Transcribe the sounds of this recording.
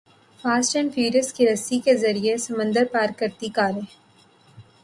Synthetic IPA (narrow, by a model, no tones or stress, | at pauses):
faːsʈənfiːɾəskiɾɐsikezɐɾiesɐmə̃nd̪əɾpaːɾkəɾt̪ikaːɾẽː